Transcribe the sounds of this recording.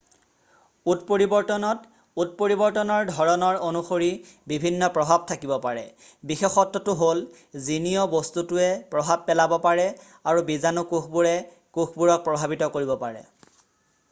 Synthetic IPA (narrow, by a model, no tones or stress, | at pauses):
ut̚poɹibɔɹtɔnɔt | ut̚poɹibɔɹtɔnɔɹdʱɔɹɔnɔɹonuxoɹi | bibʱinːɔpɹɔbʱab̚tʰakibɔpaɹɛ̰ | bixexɔtːɔtʊɦol | zinijɔbostutʊɛpɹɔbʱab̚pːɛlabɔpaɹɛ | aɹubizanukuxbuɹɛ | kuxʰbuɹɔk̚pɹɔbʱabitɔkoɹibɔpaɹɛ̰